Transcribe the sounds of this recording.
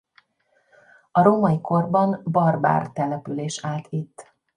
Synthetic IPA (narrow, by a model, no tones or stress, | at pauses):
ɒɾomɒjikʰo̞rbɒnbɒrba̰ːrt̪ɛlɛpyleːʃaːlt̪it̪ː